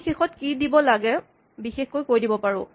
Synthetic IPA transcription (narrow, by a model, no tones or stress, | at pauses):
xexɔtkidibɔlaɡɛ | bixexkojkoɹjdibɔpaɹʊ̃